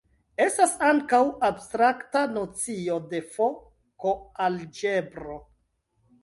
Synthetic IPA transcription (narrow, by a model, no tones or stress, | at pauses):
e̞stasaŋkawabstɾaktano̞t͡sio̞de̞fo̞ | koald͡ʒe̞bɾo̞